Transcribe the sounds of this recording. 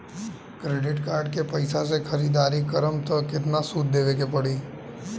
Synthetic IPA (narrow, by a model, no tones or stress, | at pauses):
kɾeːɖɪʈkaːɾɖkepɐɪsas̬exʰɐɾiːd̪aːɾikɐɾəmt̪ɔkɪt̪̬nasuːt̪̚d̪eːʋekepɐɽiː